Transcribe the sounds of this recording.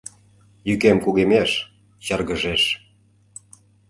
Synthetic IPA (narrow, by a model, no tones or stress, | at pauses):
jykemkuɣemeʃ | t͡ɕɑrɣə̆ʒeʃ